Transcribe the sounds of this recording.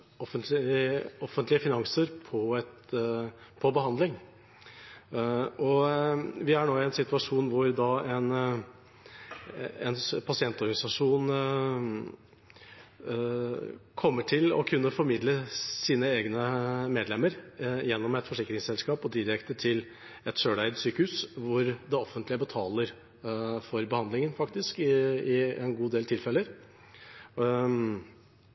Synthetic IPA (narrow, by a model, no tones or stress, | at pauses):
ɔfənt̪lɪɪɔfənt̪lɪəfɪnɑŋsəɾpʰɔɛt̪ | pʰɔbəɦɑnd̪lɪŋ | ɔ | ʋɪæɳoːɪɛnsɪt̪ʉɑʂuːnʋʊɾd̪ɑɛn | ɛ̰npʰɑsɪɛnt̪ɔɾɡɑnɪsɑʂuːn | kʰɔmːəʈʰɪlɔ̰kʰʉnːəfɔɾmɪd̪ləsiːnəeːɡnəmeːd̪lɛmːəɾjɛnːɔmɛt̪fɔʂɪkːɾɪŋsɛlskɑːpɔd̪ɪɾɾɛkt̪əʈʰɪl | ɛt̪ʂøːɖæɪd̪syːkəhʉːsʋʊɾd̪ɛɔfːənt̪lɪəbət̪ʰɑːləɾ | fɔɾbəhɑnd̪lɪŋənfɑkt̪ɪskɪɪɛ̰nɡuːd̪eːlt̪ʰɪlfɛlːəɾ